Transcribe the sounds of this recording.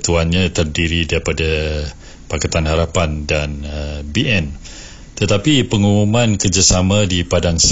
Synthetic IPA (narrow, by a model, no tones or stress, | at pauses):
t̪uanɲãt̪ərdiɾidaɾipada | pakat̪anhaɾapandanəbiɛn | t̪ət̪apipəŋumumãnkərd͡ʒasamãdipadaŋs